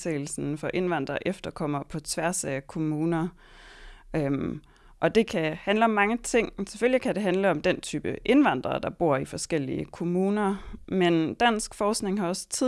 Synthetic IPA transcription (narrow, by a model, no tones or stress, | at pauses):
sʰḛːɪl̩sn̩fɒ̽ʔe̝nʋɑn̰d̥ʁɐʔefd̥ɐkʰɒ̽m̰ɐpʰɒ̽t͡sʰʋæɐsækʰo̝muːnɐ | ø | ʔɒ̽d̥e̝kʰæhænləɒ̽mːɑ̈ŋət͡sʰe̝ŋ̰se̥følikʰæd̥e̝ɦænləɒ̽md̥ent͡sʰyːb̥əʔe̝nʋɑn̰d̥ʁɐd̥ɑ̈b̥o̝ɐ̰ifɒ̽sɡ̥el̰iəkʰo̝muːnɐmend̥æn̰sɡ̥fɒːsɡ̥ne̝ŋɦɑ̈ɒ̽st͡sʰi